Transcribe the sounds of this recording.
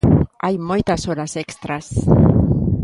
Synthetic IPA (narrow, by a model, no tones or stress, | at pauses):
ajmojt̪asolasekst̪ɾas